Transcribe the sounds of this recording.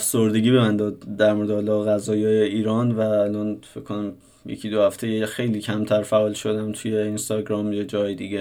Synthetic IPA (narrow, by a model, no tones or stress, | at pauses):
fsoɾd̪e̞ɟʲiːbebænd̪ɒːd̪d̪æɾmoɾd̪ɒlɒɣæzɒːjɒːjeiːɾɒːnvæːlɒːnfeckʰːonæm | jḛcʰid̪ohæft̪ʰe̞jexe̞jliːcʰæmt̪ʰæɾfæʔɒːlʃo̞d̪æmt̪ʰujeinst̪ɒɡɾɒːmjed͡ʒɒːjed̪iɡe